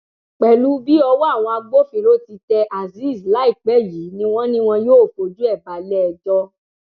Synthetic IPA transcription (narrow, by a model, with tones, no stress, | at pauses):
k͡pɛ˨lu˨˦bi˦ɔ˧wɔ˦a˦˨w̃ɔ̃˧a˧ɡ͡bo˦fi˨ɾo˦ti˧tɛ˧ʔa˨zi˦˨sla˨˦i˦˨k͡pɛ˨˦˨ji˨˦nĩ˦w̃ɔ̃˦nĩ˦w̃ɔ̃˧joː˦˨fo˧d͡ʒu˦ɛ˦˨ba˨lɛ˦ɛ˧d͡ʒɔ˧˦